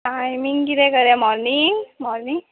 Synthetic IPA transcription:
ʈajmiŋɡkit̪ɛkəɾjamɔɾniŋɡmɔɾniŋ

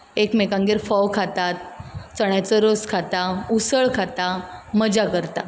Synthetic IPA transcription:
ekmekãŋɡeɾfɔwkʰat̪at̪̚t͡səɽ̃jat͡səɾoskʰat̪ausəɭkʰat̪aməd͡ʑakəɾt̪a

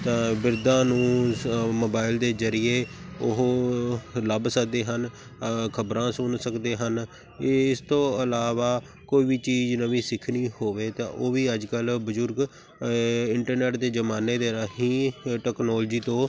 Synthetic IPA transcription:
t̪ãːbɪɾd̪ãːnũːmoːbaːɪld̪eːzəɾɪjeːʊɦo | ləbsəkd̪eːɦən | kʰəbɾãːsʊnsəkd̪eːɦən | ɪst̪õːəlaːʋaː | koːiːbiːt͡ʃiːznəʋĩːsɪkʰniːhoːʋeːt̪ã̰ːʔoːʋiːəd͡ʒkəlbəzʊɾɡ | ɪɳʈəɾneːʈd̪eːzəmaːneːd̪eːɾəɦiːʈɛːknɔːld͡ʒiːt̪õː

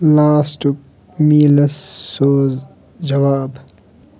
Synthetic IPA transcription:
laːsʈ | miːlɐsːoːz | d͡ʒɐʋaːb

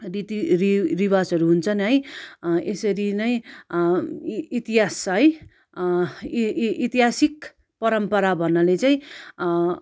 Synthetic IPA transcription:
rit̪iɾiribasʌɾuɦunt͡sʰʌnɦʌj | esʌɾinʌj̃ | it̪iɦasɦʌj | it̪iɦasik | pʌɾʌmpʌɾabʱʌnːalet͡saĩ

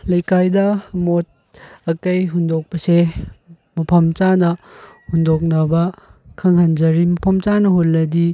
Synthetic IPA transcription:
lɐjkajdɐmot̚ | ɐkɐjɦundok̚pɐse | mɐpʰɐmt͡ʃanɐhundok̬̚nɐbɐkʰɐŋhand͡ʒɐɾimɐpʰɐmt͡ʃanɐɦolnɐdi

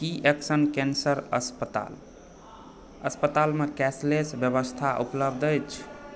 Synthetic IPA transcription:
kiʔeksənkensəɾə̰spət̪a̰l | ə̰spət̪almekɛslesbjəβəst̪ʰaʔupləbd̪əjt͡ʃʰ

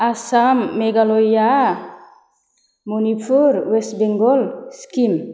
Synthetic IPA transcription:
asamːeɡalɔja | munipʰuɾwesbeŋɡɔlskim

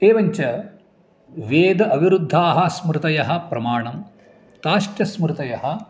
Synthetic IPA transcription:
eːʋɐɲt͡ʃɐ | ʋeːd̪ɐʔɐʋiɾud̪ʱːaːɦɐsmɾt̪ɐjɐɦɐpɾɐmaːɳɐm | t̪aːʃʈjɐsmɾɪt̪ɐjɐɦɐ̆

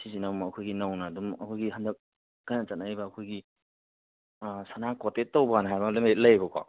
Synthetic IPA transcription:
sizinamːkʰojɡinawnadumɐkʰojɡiɦandɐk̚ | kajnɐt͡ʃatnajbaːkʰojɡi | sanakɔtetːowbanɦajbɐlɐmet̚lɐjbɐkʰɔ̰

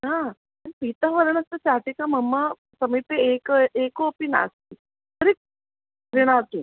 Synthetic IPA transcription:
ɦã | ənpit̪əɦʋəɾɳəst̪ət͡ɕaʈ̪ikaməmːə | səmipeekʔekopina̰st̪i | t̪əɾek̚ | ɾiɽ̃at̪u

